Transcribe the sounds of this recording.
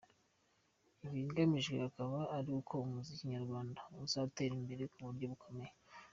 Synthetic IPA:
iβiɡamiʒɡwḛhakaβaːɾiukʰo̞umuzikiɲaɾɡwaːndauzate̞ːɾimbe̞ɾe̞kuβuɾɟo̞βukʰo̞me̞je

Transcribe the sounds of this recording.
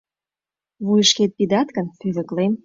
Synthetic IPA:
βujəʃket̪̚pid̪ɑt̪kə̆npyβə̆klem

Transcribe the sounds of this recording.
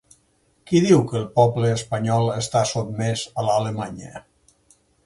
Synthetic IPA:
kiðiwkəːlˠpɔbləːspəɲɔlˠəst̪asot̪̚mɛzəlaləmaɲə̰

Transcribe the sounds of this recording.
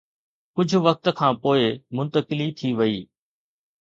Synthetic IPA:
kʊd͡ʑʱʊ̆ʋɐk̚t̪̆kʰãːpoːɪmʊ̃nt̪əkɪlit̪ʰiʋɐiː

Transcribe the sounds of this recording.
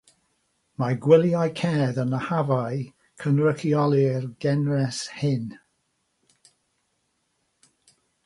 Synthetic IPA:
maɡwɪlˠjajkʰɛːðənəhavaɨ | kʰənrəkʰiɔlˠirɡɛnrɛshɪn

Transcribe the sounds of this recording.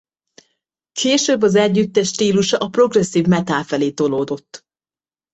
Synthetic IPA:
kʰeːʃøbːɒzɛɟːyt̪ːɛʃt̪iːluʃɒʔɒpro̞ɡrɛsːiːvmɛt̪aːlfɛleːt̪o̞loːd̪o̞t̪ː

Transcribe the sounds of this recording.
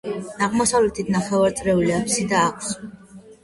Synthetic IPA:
naʁmɔsavlɛt̪ʰit̪ʰnaχɛvaɾt̪sʼɾɛuliapʰsid̪aːkʷʰs

